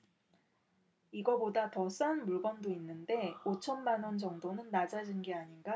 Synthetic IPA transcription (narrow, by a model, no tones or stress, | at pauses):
iɡʌbodatʌs͈anmuɭɡʌndoinːɯnde̞ot͡ɕʰʌnmanwʌnd͡ʑʌŋdonɯnːad͡ʑad͡ʑinɡeaɲinɡa